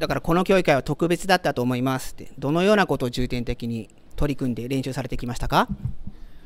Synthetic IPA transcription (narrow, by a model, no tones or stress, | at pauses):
d̪akaɾako̞no̞kʲo̞ːikaiβat̪o̞kɯ̟be̞t͡sɨd̪at̪ːat̪o̞ːmo̞imasɨ̥t̪ːe̞d̪o̞no̞jo̞ːnako̞t̪o̞ːʑɨːt̪ẽ̞nt̪e̞kʲiɲ̟i | t̪o̞ɾʲikɯ̟̃nd̪e̞ɾẽ̞ɕɨːsaɾe̞t̪ekʲimaɕi̥t̪aka